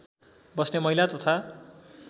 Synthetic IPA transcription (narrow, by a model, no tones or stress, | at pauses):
bʌsnemʌilat̪ʌt̪ʰa